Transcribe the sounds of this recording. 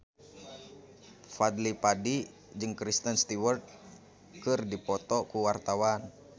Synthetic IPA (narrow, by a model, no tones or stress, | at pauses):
fad̪lipadi | d͡ʒɨŋkɾist̪ənst̪iwərt̪̚ | kɨrdipɔt̪ɔkuwart̪awan